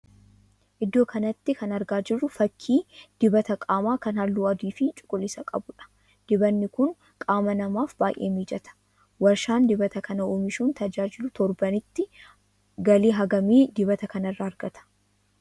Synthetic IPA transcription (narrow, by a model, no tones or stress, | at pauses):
ʔɪd̪ːo̞ːkɐnɐt̪ːɪkɐnɐɾɡaːd͡ʒɪrːʊfɐkʰːiːd̪̥ɪbɐt̪ɐkʼaːmaːkɐnhɐlːuːɐd̪iːfɪt͡ʃʼʊ̥kʼːʊlːɪsɐkʼɐ̰bʊᶑɐ̥ | d̪̥ɪbɐnːɪkʊŋ | kʼaːmɐnɐmaːfbaːjʔeːmiːd͡ʒɛt̪ɐ̥ | wɐɾʃaːnd̪ɪbɐt̪ɐkɐnɐoːmɪʃuːnt̪ɐd͡ʒaːd͡ʒɪlʊt̪ɔɾbɐnɪt̪ːɪ | ɡɐliːɦɐɡɐmiːd̪ɪbɐt̪ɐkɐnɐrːɐɐɾɡɐt̪ʰɐ̥